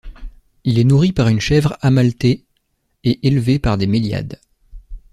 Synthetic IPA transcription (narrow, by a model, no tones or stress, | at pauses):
ilɛnuʁipaʁynʃɛvʁamalt̪e | eʔelvepaʁd̪emelja̰d̪